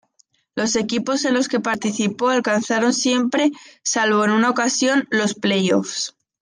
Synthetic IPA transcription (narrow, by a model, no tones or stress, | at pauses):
lo̞se̞kipo̞se̞nlo̞ske̞paɾt̪iθipo̞alkanθaɾo̞nsje̞mpɾe̞salβo̞enunao̞kasjo̞nlo̞sple̞jo̞̰fs